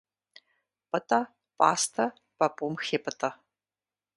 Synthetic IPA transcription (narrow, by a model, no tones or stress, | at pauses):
pɨtʼɐ | pʼa̰ːstʰɐ | pɐpʼumxeːpʼɨtʼɐ